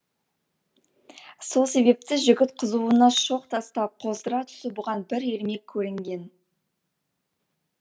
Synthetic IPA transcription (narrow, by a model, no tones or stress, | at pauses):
so̞lˠse̞βe̞p̚t̪ɪʒʏɡʲɪt̪qʰəzuənɑʃo̞qt̪ʰɑst̪ɑp̚qʰo̞zd̪əɾɑt̪ʰʏ̥sɪbʊʁɑnbɪɾe̞ɾme̞kʲʰːɵɾɪŋɡʲe̞n